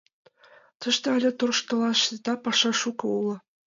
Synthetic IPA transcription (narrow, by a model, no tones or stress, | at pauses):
t̪ɤ̆ʃt̪ɤælʲĕt̪uɾɤ̆ʃt̪ɤ̆lˠɑʃet̪ɑpɑʂɑʂukɤ̆ulˠɤ̆